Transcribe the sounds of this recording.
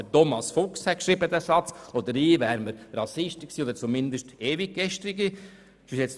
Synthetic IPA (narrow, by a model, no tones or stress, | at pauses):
ətɔmɑsfʊkshɛkʃɾibəd̪æsɑt͡sɔd̪əɾiːvæːɾməɾrɑsɪʃtɪksiːɔdəɾt͡sumɪnd̪əʃteːvikɡɛʃtɾiɡi | isjɛt͡s